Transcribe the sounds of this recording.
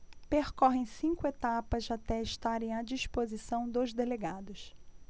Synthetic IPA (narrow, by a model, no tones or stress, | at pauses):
peɾkɔɦẽj̃sĩŋkʊet̪apɐzat̪ɛɪʃt̪aɾẽj̃ad͡ʒiʃpozisɐ̃w̃d̪ozd̪eleɡad̪ʊs